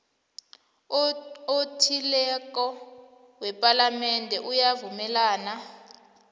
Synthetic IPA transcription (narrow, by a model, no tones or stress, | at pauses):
otʰilɛkɔ | wɛpʼalamɛndʱɛʔujavumɛlaːna